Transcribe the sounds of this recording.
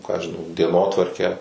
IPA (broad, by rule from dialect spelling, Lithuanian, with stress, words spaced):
ˈkɑː ˈɐʃ ʒʲɪˈnɐʊ dʲiɛˈnoːtʋɐrʲkʲæː